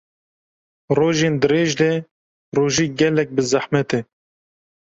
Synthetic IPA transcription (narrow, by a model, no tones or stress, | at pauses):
roːʒeːnd̪ɨɾeːʒd̪ɛ | roːʒiːɡɛlɛk̚bɨzaħmɛt̪ɛ